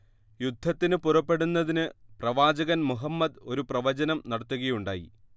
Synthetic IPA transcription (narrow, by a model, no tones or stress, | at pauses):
jud̪ʱːɐt̪ːinɨpurɐpːe̞ɽunːɐðinɨprɐʋaːd͡ʑɐɣɐnmuɦɐmːɐd̪o̞ɾuprɐʋɐd͡ʑɐnɐmnɐɽɐt̪ːuɣɐjuɳɖaːjḭ